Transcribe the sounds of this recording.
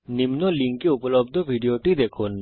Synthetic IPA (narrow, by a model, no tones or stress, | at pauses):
nimnɔliŋkeupɔlɔbd̪ʱɔbʱiɖioʈid̪ekʰun